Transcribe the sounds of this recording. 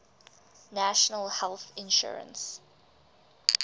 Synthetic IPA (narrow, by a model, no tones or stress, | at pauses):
næʃənəlhɛlˠθɪ̃nʃṵɹə̰̃ns